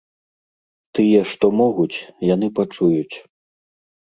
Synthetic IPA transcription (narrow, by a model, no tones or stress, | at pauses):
t̪ɨjɛʂt̪ɔmɔɣut͡sʲjanɨpat͡ʂujut͡sʲ